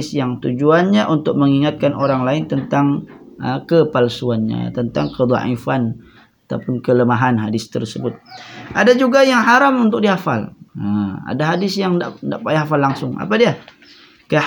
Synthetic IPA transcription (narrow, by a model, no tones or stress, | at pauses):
sjaŋt̪ud͡ʒuanɲaʔunt̪ʊk̚məŋiŋat̪̚kanoɾaŋlaɪnt̪ənt̪aŋəkəpalsuanɲa̰t̪ənt̪aŋkəd̪a̰ʔifan | at̪apʊnkələmaɦanɦadɪst̪ə̰rsəbʊt̪̚ʔadad͡ʒuɡajaŋɦaɾamunt̪ʊk̚diɦafa̰ləa̰daɦadɪsjaŋda̰ʔda̰ʔpajɦafalːaŋsʊŋa̰padia | kə